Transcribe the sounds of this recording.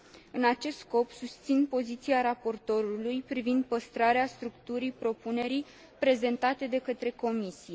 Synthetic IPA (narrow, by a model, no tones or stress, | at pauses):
ɨnat͡ʃe̞st̪sko̞psust̪sinpo̞zit̪siaɾapo̞rt̪o̞ɾulujpɾivind̪̚pəst̪ɾaɾeast̪ɾukt̪uɾipɾo̞pune̞ɾij | pɾe̞ze̞nt̪at̪e̞d̪e̞kət̪ɾe̞ko̞misije̞